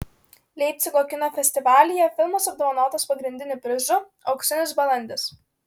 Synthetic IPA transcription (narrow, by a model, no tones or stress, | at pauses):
lʲɛɪp̚ʲt̪sʲɪɡˠoːkʲɪnoːfʲɛsʲt̪ʲɪʋɑːlʲɪjɛfʲɪlˠmɐsɐb̚d̪ɔʋɐnɑːt̪ɐspɐɡɾʲɪnʲd̪ʲɪnʲʊpʲɾʲɪʒʊ | ɐʊksʲɪnʲʊsbɐlˠɐnʲd̪ʲɪs